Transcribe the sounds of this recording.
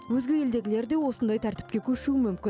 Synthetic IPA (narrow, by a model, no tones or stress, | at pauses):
wɵzɡʲe̞je̞ld̪e̞ɡʲɪle̞ɾd̪e̞wo̞sənd̪ɑjt̪ʰæɾt̪ɪ̥p̚kʲe̞kʲʰɵʃuɪmʏmkʲɪ